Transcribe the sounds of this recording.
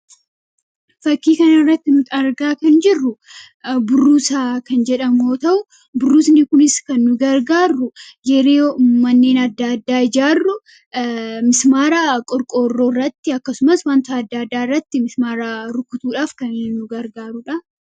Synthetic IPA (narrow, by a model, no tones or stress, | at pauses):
fɐkːiːkɐnɐɪrːɐt̪ːɪnʊt̪ɐɾɡaːkɐnd͡ʒɪrːʊ | bʊrːuːsaːkɐnd͡ʒɛᶑɐmoːt̪ɐʔʊ | bʊrːuːsnɪkʊnɪskɐnːʊɡɐɾɡaːrːʊd͡ʒɛɾeːmɐnːe̞ːnɐd̪ːaɐd̪ːaːɪd͡ʒaːrːʊ | mɪsmaːɾaːkʼɔɾkʼo̞ːrːo̞ːrːɐt̪ːɪɐkːɐsʊmɐswaːnt̪aɐd̪ːaːɐd̪ːaːɪrːɐt̪ːɪmɪsmaːɾaːɾʊkːʊt̪uːᶑaːfkɐnnːʊɡɐɾɡaːɾʊᶑɐ